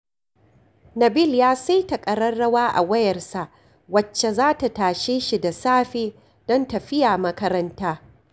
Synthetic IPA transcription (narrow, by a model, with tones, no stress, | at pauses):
nɐ˨bɪ˦˨ljaː˦sa˦jtɐ˨kʼɐ˨ɽɐ˦rːɐ˦waː˦ʔa̰˨wɐ˦jɐ˨rsa˨ʔ | wɐ˨t͡ʃːe˨zaː˦ta˨taː˨ʃeː˦ʃi˨da˨saː˦ɸeː˦ | d̥ɔ˦ntɐ˨ɸɪ˦jaː˨mɐ˦kɐ˦ɾɐ˦ntaː˦